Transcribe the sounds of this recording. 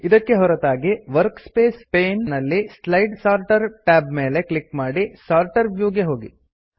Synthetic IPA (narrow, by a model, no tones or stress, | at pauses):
id̪ɐkːeɦɔɾɐt̪aːɡiʋɐɾkspeːspeːnːɐlːislɐjɖsaːɾʈɐɾʈaːbmeːle̞kɭikmaːɽisaːɾʈɐɾʋjuːɡeɦo̞ːɡḭ